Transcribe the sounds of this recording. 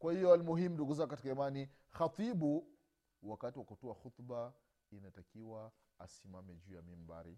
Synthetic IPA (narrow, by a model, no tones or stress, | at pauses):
kwahijɔalmuɦimunduɡuzaɡukatikaimani | xat̪ˤibu | wakatiwakutuaxut̪ba | inatakiwa | a̰simamɛd͡ʒuːjamim̩ba̰ɾḭ